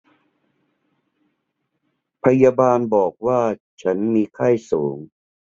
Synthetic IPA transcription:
pʰa˧jaː˧baː˧nbɔː˨˩k̚waː˥˩t͡ɕʰa˦˥nmiː˧kʰaː˥˩jsoː˩˦ŋ

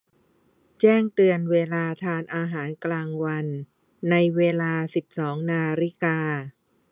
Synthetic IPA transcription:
t͡ɕɛː˥˩ŋt̪ɯ˧ənweː˧laː˧t̪ʰaː˧nʔaː˧ɦaː˩˦nklaː˧ŋwa˧nː | a˧jweː˧laː˧si˨˩p̚sɔː˩˦ŋnaː˧ɾi˦˥˩kaː˧

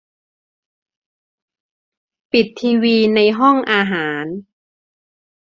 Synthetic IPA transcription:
pi˨˩t̪ʰːiː˧wiː˧na˧jɦɔ˥˩ŋʔaː˧ɦaː˩˦n

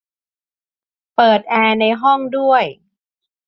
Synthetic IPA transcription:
pɤː˨˩t̪̚ʔɛː˧na˧jɦɔ˥˩ŋdu˥˩əj

